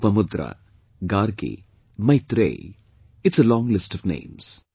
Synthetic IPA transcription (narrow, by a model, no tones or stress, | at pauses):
pɐmʊd̪ɾa̰ | ɡaːɾkḭ | mɐjt̪ɾḛ | ɪʈsəlɔ̃ːŋlɪsʈɔʋnḛ̃ːms